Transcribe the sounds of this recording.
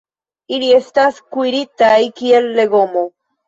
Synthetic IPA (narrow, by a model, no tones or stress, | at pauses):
iliest̪askwiɾit̪ajkielːeɣomo